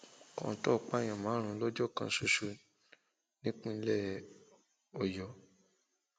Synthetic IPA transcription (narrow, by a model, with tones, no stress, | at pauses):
kɔ̰̃˨tɔ˦˨k͡pa˦˨j̃ã˨mã˨˦ɾ̃ũ˧˦lɔ˦d͡ʒɔ˦˨kã˧˦su˧ʃu˧ | nĩ˦k͡pũ˦˧lɛ˦˨ | ɔ˨jɔ˨